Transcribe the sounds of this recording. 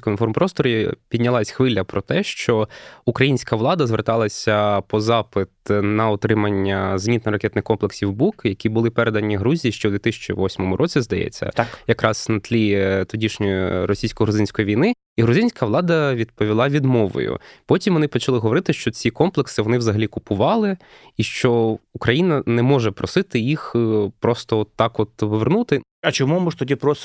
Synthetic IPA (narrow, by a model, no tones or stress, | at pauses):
kɔnfɔrmpɾɔst̪ɔɾʲipʲid̪̚ʲnʲɐlˠɑsʲxʋɪlʲːɐpɾɔt̪ɛʃt͡ʃɔukɾɐjinʲsʲkɐʋlˠɑd̪ɐzʋert̪ɑlˠɐsʲɐpɔzɑpɪt̪nɐɔt̪ɾɪmɐnʲːɐzmʲnʲit̪nɔɾɐkʲɛt̪nɪxkɔmplˠeksʲiwbukjɐkʲibʊlˠɪpɛɾed̪ɐnʲiɦɾuzʲijiʃt͡ʃɔd̪ʋʲit̪ɪsʲɐ̥t͡ʃiʋɔsʲmɔmʊɾʔɔt͡sʲizd̪ɐjɛ̰t͡sʲːɐ̰jɐkɾʔɑsnɐt̪lʲit̪ɔdʲiʃnʲɔjiɾɔsʲijsʲkɔɦɾʊzɪnʲsʲkɔjiʋʲijnɪ | iɦɾʊzɪnʲsʲkɐʋlˠɑd̪ɐʋʲid̪̚pɔʋʲilˠɑʋʲid̪mɔʋɔ̰jʊ̰pɔtʲimʋɔnɪpɔt͡ʃɐlˠɪɦɔʋɔɾɪt̪ɪʃt͡ʃɔt͡sʲikɔmplˠeksɪʋɔnɪwzɐɦɐlʲikʊpʊʋɑlˠɪ | iʃt͡ʃɔukɾɐjinɐnɛmɔʒɛpɾɔsɪt̪ɪjixpɾɔst̪ɔɔt̪ːɑkɔt̪ʋʋernut̪ɪ | ɐt͡ʃɔmumuʐt̪ɔtʲipɾɔs